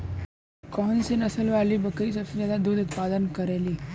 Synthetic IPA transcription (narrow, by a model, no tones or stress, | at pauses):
kɔnsinəsəlʋalibəkəiːsəfid͡ʑat̪ad̪uːd̪ut̪pad̪ənkəɾeliː